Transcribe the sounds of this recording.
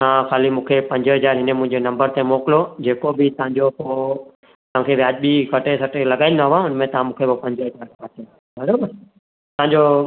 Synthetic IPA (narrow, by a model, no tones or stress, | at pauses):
t̪ɐãxaːlimũːkʰepɐ̃ɲd͡ʑəɦɐzaːɾɦɪnemʊ̃ɦɪ̃ɲd͡ʑenɐ̃mbəɾt̪emoːkɪlod͡ʑeːkobɪt̪ɐʋ̤ãɲd͡ʑopoː | t̪ɐʋãkʰeʋjaːd͡ʑbikɐʈesɐʈʰelɐɡaːɪnəɦʋãʊnmẽt̪ɐɦãmũːkʰeopɐ̃ɲd͡ʑəɦɐzaːɾkaːt̪ʰea | bɐɾoːbəɾ | t̪ɐɦãɲd͡ʑo